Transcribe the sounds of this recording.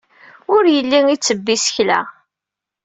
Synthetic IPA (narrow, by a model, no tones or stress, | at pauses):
ʊɾjəlːiŋit͡sːəbːisə̥çlæ̰